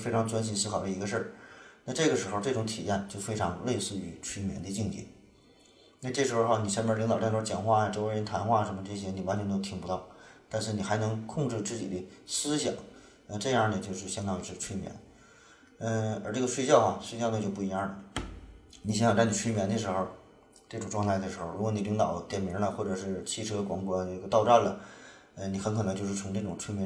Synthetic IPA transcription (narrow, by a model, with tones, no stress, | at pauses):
fe˥ɪʈ͡ʂʰŋt͡swa˥nɕ̬i˧˥nsɹ̩ʰ˥ɑ˨˩ʊdə˧i˧˥ɡə˧ʂə˞˥˩na˥˧ʈ͡ʂɤ˥˩ɡə˩ʂɻ̩˧˥xo˧ʊʈ͡ʂɤ˥˩ʈ͡ʂʊ˧˥ŋt̪ʰḭ˨˩jɛ˥˩nt͡ɕjo˥˩ʊfe˥ɪʈ͡ʂʰɑ˧˥ŋle˥˧ɪsɹ̩˥˩y˧˩t͡ɕʰy˥mjɛ̰˧˥nd̪ə˧t͡ɕi˥˧ŋt͡ɕḭ˥˩ | na˥˧ʈ͡ʂɤ˥˩ʂɻ̩˧˥xo˧xo˥˩ni˨˩ʂɛ˥˧m˥li˧˥ŋ˨˩ʈ͡ʂ̪t͡ɕjɑ˨˩nxwa˥˩a˩ʈ͡ʂo˥ʊ˥ɻə˧˥nt̪ʰa˧˥nxwa˥˩ʂə˧˥nmə˧ʈ͡ʂɤ˥˩ɕ̬jɛ˥ni˨˩wa˧˥nt͡ɕʰnt̪o˥ʊt̪ʰi˧˨˩ŋpu˧˥t̪ɑ˥˩ʊt̪a˥˧nʂɻ̩˥˩ni˨˩xa˧˥ɪnɤ˧˥ŋkʰʊ˥˧ŋʈ͡ʂɻ̩˥˧t͡sɹ̩˥˩t͡ɕḭ˨˩d̪ə˦sɹ̩˥ɕjɑ̰˨˩˦ŋ | ə˧ʈ͡ʂɤ˥˧jɑ˥˩nə˨˩t͡ɕjo˥˧ʊʂɻ̩˥˩ɕjɑ˥ŋt̪ʰɑ˥˧ŋ˧ʂʰɻ̩˥˩˧ʈ͡ʂʰwe˥mjɛ̰˧˩˦n | ə˥˧ə˞˧˥ʈ͡ʂɤ˥˩ɡə˩ʂwe˥˧ɪɕjɑ˥˩ʊxa˨˩ʂwe˥˧ɕjɑ˥˧nə˨˩t͡ɕjo˥˧ʊpu˥˩i˧˥ja˥˩lə˩ | ni˨˩ɕjjɑ˨˩ŋʈ͡ʂa˥˧˩nʰi˨˩ʈ͡ʂʰmjɛ˧˥nd̪ə˩ʂ̬ɻ̩˧˥xo˥˧ʊ | ʈ͡ʂɤ˥˩ʈ͡ʂʊ˨˩ŋʈ͡ʂwɑ˥˧ŋt̪ʰa˥ɪd̪ə˩ʂɻ̩˧˥xo˥˧ʊɻu˧˥wɔ˧˥ni˨˩li˧˥ŋt̪ɑ˨˩˦ʊt̪jɛ˨˩mi˧˥lə˧xwɔ˥˩ʈ͡ʂɤ˨˩ʂɻ̩˥˩t͡ɕʰi˥ʈ͡ʂʰɤ˥kwɑ˧˥ŋkwɔ˧˥ne˥˧˩ɡə˧˩t̪ɑ˥˧ʊʈ͡ʂa˥˩nlə˩ | ə˧ni˨˩xə˧˥nkʰɤ˨˩ɤ˧ŋt͡ɕjo˥˧ʊʂɻ̩˥˩t͡sʰʊ˧˥ŋʈ͡ʂɤ˥˩ʈ͡ʂʊ˨˩ŋʈ͡ʂʰwe˥mjɛ˧˥